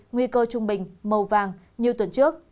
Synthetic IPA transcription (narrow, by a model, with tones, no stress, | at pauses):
ŋwi˧kəː˧t͡ɕʊ˧ŋ͡mɓï˨˩ŋ̟mə˨˩wvaː˨˩ŋ | ɲi˨əwt̪wə˨˩nt͡ɕɨ˦˥ək̚